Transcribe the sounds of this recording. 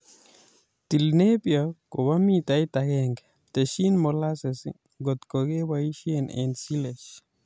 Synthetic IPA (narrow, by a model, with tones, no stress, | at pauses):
ti˨lne˦pjɔ˨ko˨ba˦mi˦ta˨i˦ta˨ɡɛ˦ŋɡ | t̪e˨ʃi˦nmo˨la˦se˨sḭ | ɡo˨t̪ko˨ɡe˦wa˦i˦ʃie˦nḛ˨nsi˦le˨ʃ